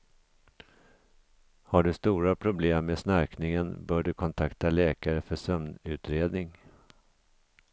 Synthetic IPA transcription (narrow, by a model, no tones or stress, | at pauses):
haɖɵst̪uːɾapʰɾʊbleːmːeːsnaɾknɪŋənbœːɖɵkʰɔnt̪ʰakt̪alɛːkaɾəfœʂœmnʉ̟ːt̪ɾeːd̪nɪŋ